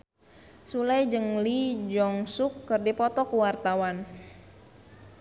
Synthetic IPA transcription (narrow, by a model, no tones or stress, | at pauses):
sulajd͡ʒəŋlid͡ʒɔŋsukːərdipɔt̪ɔkuwart̪awan